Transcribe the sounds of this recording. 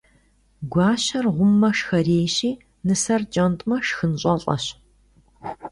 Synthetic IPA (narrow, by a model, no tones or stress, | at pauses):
ɡʷɑːɕɐrʁʷʊmːɐʃxɐreːjɕiː | nɨsɐrd͡ʒʼɐntʼmɐʃxɨnɕʼɐɬʼɐ̰ɕ